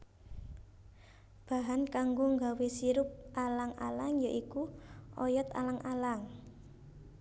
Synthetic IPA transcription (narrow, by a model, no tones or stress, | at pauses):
b̥a̤ɦankaŋɡoŋɡawesiɾʊp̚alaŋa̰laŋjaʔikuɔjɔt̪a̰laŋʔalaŋ